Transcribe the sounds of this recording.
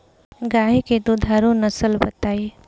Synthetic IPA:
ɡaːɦiked̪od̪ʱaːɾõnɐsəlbɐt̪aːe

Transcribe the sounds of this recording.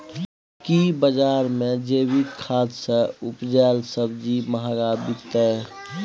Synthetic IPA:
kibəd͡ʒaːɾmẽd͡ʒeːwikkʰaːd̪səʊpd͡ʒɛːlsəbd͡ʒiməɦaɡaːbit̪ɛ

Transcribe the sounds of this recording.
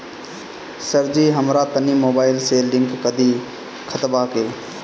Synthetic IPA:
səɾd͡ʒiɦəmɾat̪ənimoːbaːɪlselɪ̃ŋkːəd̪i | kʰət̪bakeː

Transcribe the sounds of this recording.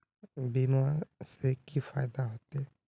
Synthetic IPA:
bimaɾsekifaːɪd̪aɦoːt̪eɛ

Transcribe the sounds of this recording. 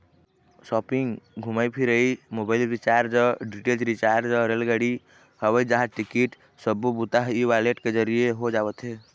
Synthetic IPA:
sɔpiŋɡɡʱuməjpʰiɾəimobailɾit͡ʃaɾd͡ʒəɖiʈeld͡ʒɾit͡ʃaɾd͡ʒəɾelɡəɽi | həβəd͡ʒaɦãʈikiʈ | səbːubut̪aɦiʋaleʈked͡ʒəɾijeɦod͡ʒabət̪ɦe

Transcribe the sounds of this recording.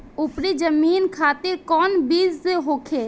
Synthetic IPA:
ʊpɾid͡ʒəmiːnkʰaːt̪ɪɾkɔːnbiːzseɦoːkʰeː

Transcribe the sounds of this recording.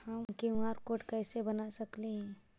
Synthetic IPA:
həmkĩɦaːɾkoːʈkɛːsebənasɐkleɦɛ̃

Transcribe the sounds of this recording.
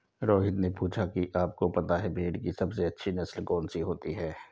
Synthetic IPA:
ɾɔːɦɪt̪nepuːt͡ʃʰakiʔaːp̚kopɐt̪aɦɛbʱeːɽkisɐbseɐtːʃʰinɐslkɔːnsiɦoːt̪iɦɛː

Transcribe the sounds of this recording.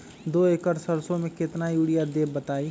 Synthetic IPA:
d̪oːeːkəɾsəɾsõmẽkɪt̪najuːɽijad̪eːbbət̪aːi

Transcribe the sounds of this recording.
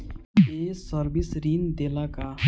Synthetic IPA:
esəɾbisɾiːnd̪eːlaka

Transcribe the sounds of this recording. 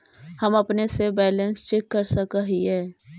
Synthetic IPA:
hɐmɐpnesebɛːlə̃nst͡ʃɛkːəɾsɐkaɦiɦɛː

